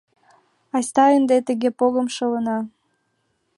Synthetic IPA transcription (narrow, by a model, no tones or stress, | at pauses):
ɑsʲt̪ɑənd̪et̪əɣepoɣə̆mʃɤlə̆nɑ